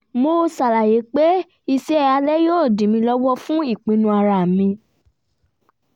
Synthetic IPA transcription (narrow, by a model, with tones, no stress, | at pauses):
mo˧sa˨la˨je˨˦k͡pe˦ | i˦˧se˦a˧lɛ˦joː˦˨dĩ˨mĩ˧lɔ˦wɔ˦fũ˦i˦˨k͡pĩ˨˧nũ˧a˧ɾa˧˨mĩ˧